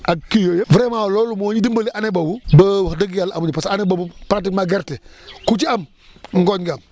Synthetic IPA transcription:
ʔakːijojevɾemawlolumoɲidimbəliʔanebabubəwdəɡjala̰muɲipasanebabupat̬ikmaɡeɾtekut͡ʃiam | ŋɡoɲɡam

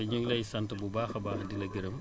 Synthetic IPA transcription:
ɐɲuŋlɐjsɐntɐbubaːxɐbaːxɐdilɐɡiɾɐm

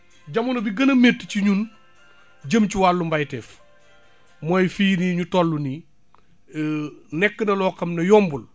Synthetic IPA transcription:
ɟɐmunɐbiɡɐnɐmetːciɲun | ɟəmcuwalːumbajtɛːf | mojfiːniɲutɔlːuni | nɛkːənɐlɔːkɐmnɐjɔːmbul

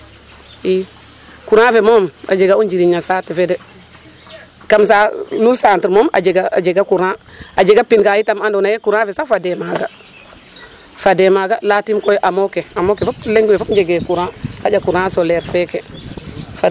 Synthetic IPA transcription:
i | kuɾãfemoma̰d͡ʒeɡaund͡ʒiɾiɲasaːtifedɛ | kamsanusantiɾmoma̰d͡ʒeɡad͡ʒeɡakuɾã | ad͡ʒeɡapinkajitamandonajekuɾãfesafademaɡa | fademaːɡalatimkojʔamokeamokefopleŋɡwefopd͡ʒeɡekuɾãhad͡ʒakuɾãsolɛɾfeke | fa

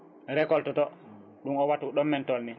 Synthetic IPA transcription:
ɾɛkɔltɔtɔ | ɗuŋɔwatuɗɔmːɛntɔlni

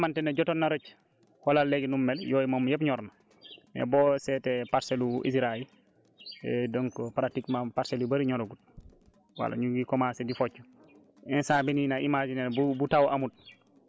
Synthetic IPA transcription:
mantɛnaɟɔtonːaɾoc | walalːeɟnumːɛljɔːjimɔmːjɛpɲɔɾna | nɛ̰bɔːsɛtɛpaɾseluʔḭsɾail | ɛdɔŋkɔpɾatikmapaɾselubaɾiɲɔɾoɡut̚ | wa̰la̰ɲuɡikɔmasɛdifɔt͡ʃːu | ɛnsaːbininaʔimad͡ʒinebubutawʔamut̚

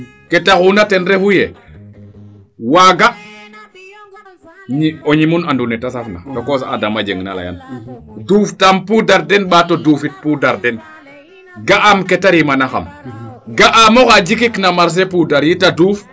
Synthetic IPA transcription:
ketaunatenɾefuje | waɡa | ɲioɲimunandunɛtasafnatokosaadamad͡ʒeŋna̰la̰ja̰nduftampudaɾdɛnɓatodufit̚pudaɾdɛn | ɡaʔamketaɾimanaxa̰mɡaʔamokad͡ʒikiknamaɾs̬epudaɾjitaduːf

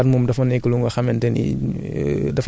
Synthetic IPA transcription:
mumdɐfɐnɛkːuluŋɡɔxɐmɛntɛnḭ | dɐf

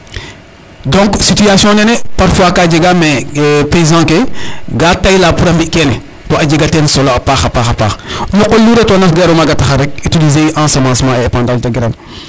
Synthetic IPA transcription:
dɔ̃ŋksityasjɔ̃nɛnɛpaɾfwaːkaːɟiɡamɛpeizãkeɡatajlaːpuɾɐmbikɛnɛ | tɔaɟiɡatɛnsɔloapaːxɐpaxɐpa̰ːxɲɔqːɔlːuɾɛtɔnɐxɡɛɾumaɡatɐxaɾɛk̚ytilizeʔãsɐmãːsmãːɛepãːndaltaɡiɾan

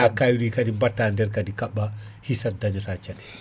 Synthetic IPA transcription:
akajuɗikadimbatːandɛɾkadikaɓːa | hisadaɲɔtat͡ʃaɗɛ

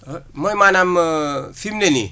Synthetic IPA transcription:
mojmanamfimnenḭ

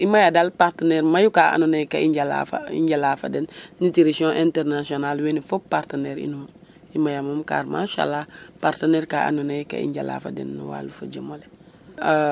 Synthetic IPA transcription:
imajadalpaɾteneɾmajukaa̰nunejkaiɲɟala̰fa̰ḭɲɟalafa̰denːitiɾisõʔẽnteɾnasionalwenifobpaɾteneːɾḭnuːn | imajamomka̰ːɾma̰ʃa̰lːapaɾteneɾkaa̰nunajka̰ḭɲɟa̰la̰ːfa̰dḛnːṵwa̰ːlufad͡ʒəmole

